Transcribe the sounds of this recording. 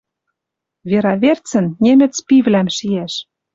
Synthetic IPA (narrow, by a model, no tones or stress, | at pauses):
vʲeɾɑβert͡sɘ̆nnʲemʲɘ̆t͡spivlæmʃiæʃ